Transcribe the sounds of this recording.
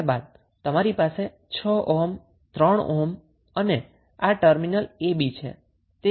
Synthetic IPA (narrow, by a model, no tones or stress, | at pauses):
ba̰d̪̚ | t̪əmaɾipase | t͡ʃʰɔʔom | t̪ɾəɳ̃om | əne | aʈəɾminəlebit͡ʃʰḛ | t̪e